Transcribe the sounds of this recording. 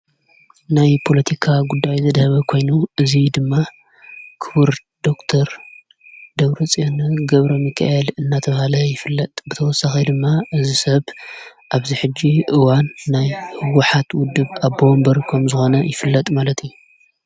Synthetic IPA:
najpʰo̞lɐt̪ʰikʰaɡud̪ːajzɐd̪hɐβɐkʰo̞jnuɨzid̪ɨmːa | kʰɨβɨɾ | d̪̥o̞kt̪ʰɐɾ | d̪̥ɐβɾɐt͡sʼonɐɡɐβɾɐmɨkʰa̰ʔelɨnːat̪ʰɐβɐhalɐjɪfɨlːɐt̪ʼbɨt̪ʰɐwɔsːaxid̪ɨmːaʔɨzisɐβʔaβziħɨd͡ʒːiʔɨwanːajhɨwʊħat̪wʊd̪ːɨβaβo̞mbɐɾkʰɐmzɨxo̞nɐjɪfɨlːɐt̪ʼmalɐt̪ijːu

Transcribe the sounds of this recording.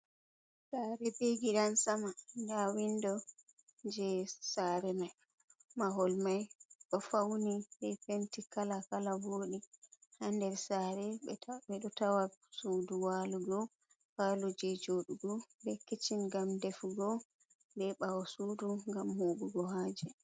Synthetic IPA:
saːɾɛbeɡiɗansamandawindɔ | d͡ʒɛsaɾɛmaj | maɦɔlmajɗɔfawnibɛpentikalakalavoɗihandɛɾsaɾɛɓɛɓɛɗɔtawasuduwaluɡɔ | paːlud͡ʒɛd͡ʒoɗuɡɔbɛkːit͡ʃinɡamdɛfɡɔ | bɛɓawɔsuːduŋɡamhuːɡuɡɔɦaːd͡ʒɛ

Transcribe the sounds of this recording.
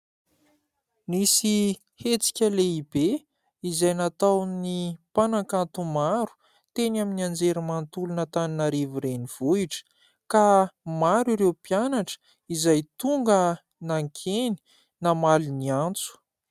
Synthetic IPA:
nisi | het͡si̥kʲəleibe | izajnat̪awnipanakant̪umaɾu̥ | t̪enaminiand͡zeɾimant̪ulunət̪aninaɾiviɾeniv̥uiʈ͡ʂə̥ | kamaɾiɾewpjanaʈ͡ʂə̥ | izajt̪uŋɡə | naŋkʰeni̥ | namaliniant͡su̥

